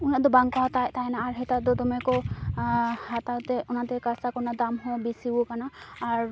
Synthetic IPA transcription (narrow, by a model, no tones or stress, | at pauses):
unad̪ɔbaŋkat̪ajt̪ajnaːɹɦɛt̪ad̪ʊd̪ɔmɛkɔ | hat̪awt̪ɛunat̪ɛkasakɔɹnad̪amɦɔ̃bisibukanaːɹ